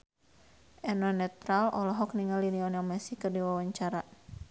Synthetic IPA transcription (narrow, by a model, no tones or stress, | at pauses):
ʔɛnɔnɛt̪ɾalɔlɔɦɔkniŋaliniɔnjaŋmɛsikɨrdiwawaɲt͡ʃaɾa